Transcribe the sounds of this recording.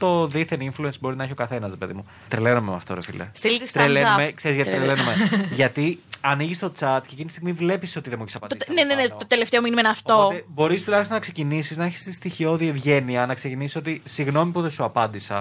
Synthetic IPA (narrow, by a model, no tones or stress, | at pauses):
t̪o̞ðiθeninfluensboɾinɐiçokɐθe̞nɐsɾepe̞ðḭmu | t̪ɾelenumemɐ̰ft̪o̞ɾefḭlḛst̪ilst̪ɾelemekse̞ɾizʝɐt̪it̪ɾelenumeʝɐt̪iɐniʝist̪o̞t͡sɐt̪ceːcinist̪iɣmivle̞piso̞t̪iðe̞mueçisɐpɐinenenet̪ot̪eleft̪eo̞minimenɐft̪oot̪ebo̞ɾist̪ulɐçst̪onɐkse̞cinisiznɐeçi̥st̪ist̪içio̞ðie̞vʝe̞niɐnɐkse̞cinisi̥so̞t̪isiɣno̞mipuðesuɐpɐnd̪isɐ